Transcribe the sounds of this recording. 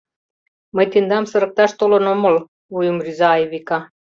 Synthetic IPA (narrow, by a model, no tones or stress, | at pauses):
məjt̪ind̪ɑmsəɾək̚t̪ɑʃt̪olonomol | ujumrizɑːevikɑ